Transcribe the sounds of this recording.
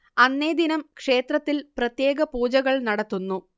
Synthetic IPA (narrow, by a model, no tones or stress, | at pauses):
ɐnːeːd̪inɐmkʂe̞ːt̪rɐt̪ːilprɐt̪je̞ːɡɐpuːd͡ʑɐɣɐɭnɐɽɐt̪ːunːu